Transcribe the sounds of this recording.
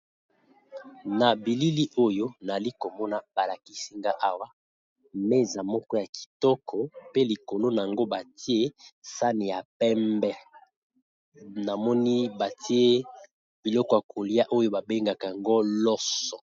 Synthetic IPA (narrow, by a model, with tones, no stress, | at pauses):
na˨bi˨li˦li˦ʔo˦jo˦na˨li˦ko˨mɔ˦na˦b̥a˨la˨ki˨si˦ŋɡa˦ʔa˦wa˦ | me˦za˨mɔ˦kɔ˦ja˨ki̥˨tɔ˦kʰɔ˨pe˦li˨ko˨lo˦na˨a˨ŋɡo˦ba˨ti˦e˦sa˦ni˨ja˨pɛ˦mbɛ˦ | na˨mɔ˦ni˦ba˨tʰi˦e˦ | b̥i˨lɔ˦kɔ˨ja˨ko˨li˦a˦ʔo˦jo˦ba˨be˦ŋɡa˨ka˨a˨ŋɡo˦lɔ˦sɔ˨